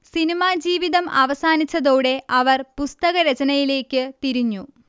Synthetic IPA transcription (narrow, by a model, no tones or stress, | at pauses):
sinimaːd͡ʑiːʋiðɐmɐʋɐsaːnit͡ɕːɐðoːɽe̞ʔɐʋɐrpust̪ɐɣɐɾet͡ɕɐnɐjile̞ːkʲːɨt̪iɾiɲːu